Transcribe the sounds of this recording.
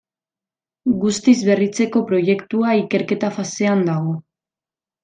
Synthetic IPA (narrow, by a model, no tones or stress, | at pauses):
ɡust̪izβe̞rit͡se̞ko̞pɾo̞je̞kt̪uaike̞ɾke̞t̪afase̞and̪aɣo̞